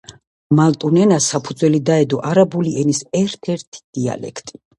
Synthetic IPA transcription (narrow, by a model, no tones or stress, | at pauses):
malt̪ʼunɛnasapʰud̪zwɛlid̪aɛd̪ɔʔaɾabuliɛnisɛɾt̪ʰɛɾt̪ʰi̥d̪̥ia̰lɛ̰kʰt̪ʼi̥